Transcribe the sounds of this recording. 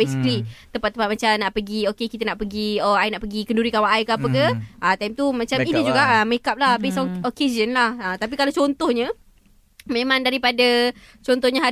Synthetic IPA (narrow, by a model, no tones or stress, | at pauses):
esi̥kəlit̪əmpat̪̚ːəmpat̪̚mat͡ʃamnaʔpəɡiokekit̪ənaʔpəɡiɔainaʔpəɡikənduɾikawaʔajkəapəkəət̪ajmt̪umãt͡ʃainid͡ʒuɡaʔəməekap̚lahbesokezənlahət̪ap̬ikalawt͡ʃont̪ohɲə | mẽmãŋdaɾipada | t͡ʃont̪ɔhɲə̃ɦa